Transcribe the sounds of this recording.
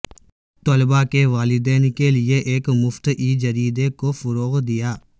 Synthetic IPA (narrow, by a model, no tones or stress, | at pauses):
t̪olbakeʋaːlɪd̪ɛːnkelɪeʔeːkmʊft̪iːd͡ʒɐɾiːd̪ekofʊɾoːɣd̪ɪjaː